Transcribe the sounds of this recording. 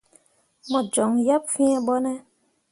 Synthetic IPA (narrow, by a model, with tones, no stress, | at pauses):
mɔ̃˨d͡ʒɔ˨ŋja˦p̚fĩ˦ɛ̃˦ɓɔ˦nɛ̃˦